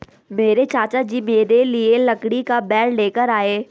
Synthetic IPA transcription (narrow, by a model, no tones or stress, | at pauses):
meːɾet͡ɕaːt͡ɕad͡ʑiːmeːɾelielɐkɽikabɛːɾleːkəɾaːeː